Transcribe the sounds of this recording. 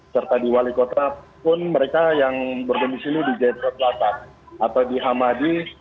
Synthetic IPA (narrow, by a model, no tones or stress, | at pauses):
sərt̪adiwalikot̪apʊnməɾekajaŋbərɡəndisiludid͡ʒat̪̚ɾɔt̪lat̪at̪̚ | at̪awdiɦamadi